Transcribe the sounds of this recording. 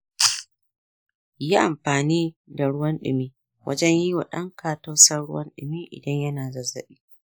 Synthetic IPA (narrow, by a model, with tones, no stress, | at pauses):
ja˦ʔa˨mɸaː˨niː˦da˨ɽʊ˦wɐ˦nɗɪ̰˨miː˦ | wʔɐ̰˦d͡ʒɛ˦ɲjiː˦wo˨ɗɐ̰˦ŋkaː˨ta˦wsɐ˦rɽʊ˦wɐ̰˦nɗɪ̰˨miː˦ʔɪ̰˨dɐ˦ɲjɐ˦naː˨zɐ˨zɐ˦ɓiː˦